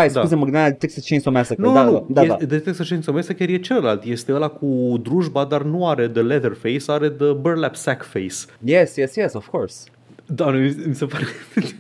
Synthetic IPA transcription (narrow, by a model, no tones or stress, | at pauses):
ajskauzeməɡɨnanad̪et̪eksət͡ʃẽjnd͡ʒomasaknuaunud̪aead̪et̪eksət͡ʃejnd͡ʒsomasakʲaɾjet͡ʃeləlalt̪jest̪eəlakʰud̪ɾuʒbad̪arnuaɾe̞d̪əleðərfejsaɾe̞d̪əbəɾlapsɛkfejsjɛsjɛsjɛsɔv̥kʰɔɾs | d̪anuimisepaɾe